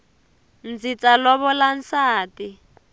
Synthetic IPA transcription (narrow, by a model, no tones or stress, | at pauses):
nd͡zit͡salɔβɔlan̩saːti